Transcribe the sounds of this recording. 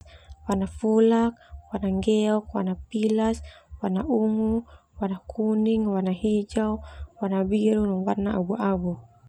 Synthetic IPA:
wanafulak̚wanaŋɡɛɔkwanapilaswanaʔuŋu | warnakʰuniŋwanaɦid͡ʒauwanabiɾunɔŋwarnaabuabu

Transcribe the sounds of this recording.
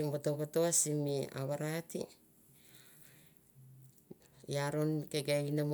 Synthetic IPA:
mbotokatoasimia̰βaɾatḭ | jaɾo̞nkeɡainam

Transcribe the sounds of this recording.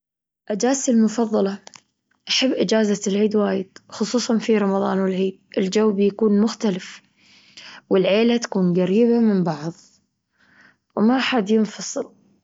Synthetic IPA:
ʔad͡ʒaːsɪlmʊfɑðˤːɑlɑ | ʔaħabːʔɪd͡ʒaːzalʕiːd̪waːjɪd̪̥xʊsˤuːsˤɑnfiɾˤɑmɑðˤɑ̰ːnwɪlʕiːd̪̚ʔɪld͡ʒawːbjakuːnmʊxt̪alɪf | wɪlʕeːlat̪ḁkuːnɡaɾiːbamɪmbɑʕðˤ | wmaʔaħad̪jɪnfɑsˤɨl

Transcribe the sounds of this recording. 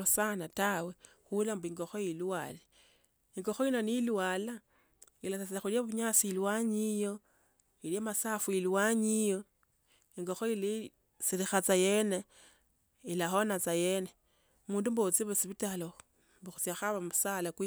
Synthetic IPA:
osanatawe | xulambuiŋɡo̞xojiluwale | iŋɡo̞xoino̞nilwala | ilasasiaxuljaβuɲasiilwaɲijo̞ | iljamasafuilwaɲijo̞ | iŋɡo̞xoili | siɾixat͡sajene | ilaxonat͡sajene | muːndumbot͡siβesiβitalo | mbuxut͡sjaxaβamusalakwi

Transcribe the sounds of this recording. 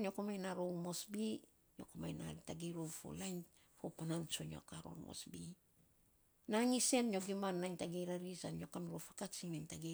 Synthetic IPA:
njo̞komajnaɾomo̞sbi | ɲo̞̰komajnataɡeɾofo̰lajn | fopanant͡ʃono̰kaɾo̰mo̰sbi | naŋise̞nɲo̞ɡimanːajntaɡeɾaɾisanjo̞kanɾofakat͡ʃiŋnajntaɡe

